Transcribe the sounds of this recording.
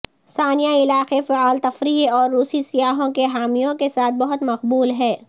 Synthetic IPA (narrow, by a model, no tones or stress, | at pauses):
saːnijaɪlaːqefɐaːlt̪ɐfɾiːɔːɾːuːsisijaːɦõkeɦaːmijõkesaːt̪̚ʰbɐɦʊt̪mɐqbuːlɦɛː